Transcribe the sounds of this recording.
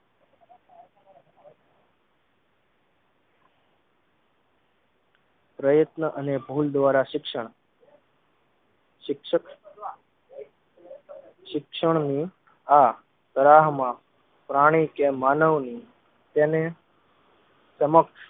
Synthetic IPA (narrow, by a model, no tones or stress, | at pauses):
pɾəjət̪nəʔənebʱuld̪ʋaɾaʃɪkʂəɳ̃ | ʃɪkʃək | ʃɪkʂəɳ̃ni | a | t̪əɾaɦmã | pɾaɽ̃ikemaːnəʋni | t̪ene | səməkʃ